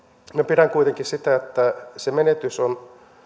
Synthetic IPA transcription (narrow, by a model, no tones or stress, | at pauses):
miæpiræŋkuit̪eŋkissit̪æet̪ːæsemenet̪yson